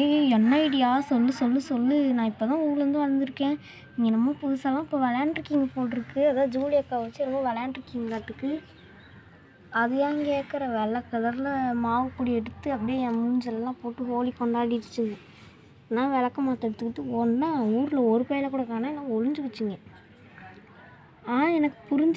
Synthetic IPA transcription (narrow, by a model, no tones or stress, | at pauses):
ɛnːɐɪɽɪjaːsɔlːɯsɔlːɯsɔlːɯnãːɪpːoːt̪ãːuːɡlɾɐnd̪ɯʋɐnd̪ɪɾɯkːẽː | nɪŋɡɐnɐmːɐpʊðɯsɐlãːɪpːoːʋɐlaːɳɖɾɯkːɪŋɡɐpoːʈːɪɾɯkːɯɐðaːd͡ʒuːlɪjɐkːaːʋɐt͡ʃːɯɾɔmbɐʋɐlaːɳɖɾɯkːɪŋɡɐkaːʈːɯkːɯ | ɐðɯjãːŋkeːkɐɾɐʋɛlɐkːɐlɐɾlɐmaːʋɐkːuːɽiɛɽɯt̪ːɯɐpːɐɽijmuɲd͡ʒɐlɐlãːpoːʈːɯɦoːlikːɔɳɖaːɽiʈɯt͡ʃːɯŋɡɐ | nãːʋɛlɐkːɐmaːt̪ːɛɽɯt̪ːɯkːɯʈːɯɔnːauːɾɪlɐɔɾɯpɐjɐlɐkuːɽɐkaːnaːɛnãːɔɻɯɲd͡ʒɯʋɐt͡ʃːɯŋɡɐ | aːnaɛnɐkːɯ̥pʊɾɪɲd͡ʒ